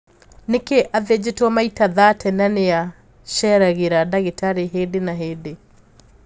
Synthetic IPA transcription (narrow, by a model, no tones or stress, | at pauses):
nekeʔaðed͡ʑetɔmaitaðatʰɛnanea | ɕɛɾaɣeɾadaɣetaɾeɦeːdenaɦeːde